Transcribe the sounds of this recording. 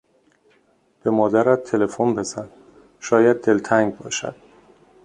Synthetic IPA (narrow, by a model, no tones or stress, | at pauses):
b̥e̞mɒːd̪æɾæt̪̚ʰːe̞le̞fonbe̞zænd̪ | ʃɒːjæd̪̚ːe̞lt̪ʰæŋɡ̚bɒːʃæ̰d̪̥